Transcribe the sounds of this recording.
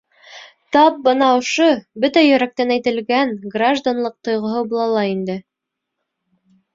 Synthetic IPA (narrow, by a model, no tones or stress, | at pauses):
t̪ɑp̚bɤnɑŏʃobɵt̪æjɵ̆ɾæk̚t̪ænæjt̪ɘ̆lɡænɡraʒd̪anlˠɤq̚t̪ŏjʁŏɦɤbulˠɑlˠɑind̪ɘ